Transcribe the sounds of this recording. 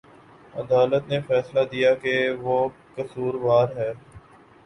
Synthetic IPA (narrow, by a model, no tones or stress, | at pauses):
ɐ̰d̪aːlət̪nefɛːslad̪ijakeʋokɐsuːɾʋaːɾɦɛː